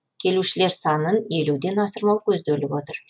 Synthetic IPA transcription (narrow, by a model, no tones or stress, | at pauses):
kʲʰe̞luʃɪle̞ɾsɑnəne̞lud̪e̞nɑsəɾmɑwkʲʰɵzd̪elɪbo̞t̪əɾ